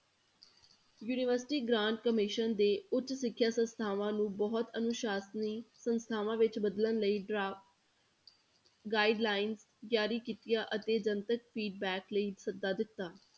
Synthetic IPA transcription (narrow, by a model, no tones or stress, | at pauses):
juːnɪʋəɾsɪ̥ʈiːɡɾãːɳʈ̚kəmɪʃənd̪eːʊt̪ʃsɪkʰːjaːsə̃nst̪ʰaːʋãːnũːbɔːɔt̪ənʊʃaːsniːsənst̪ʰaːʋãːʋɪt͡ʃbəd̪lənləiːɖɾaː | ɡaːɪɖlaːɪns | ɡjaːɾiːkiːt̪ijaːʔət̪eːd͡ʒənt̪ək̚pʰiːɖbɛːkləiːsəd̪ːaːd̪ɪt̪ːaː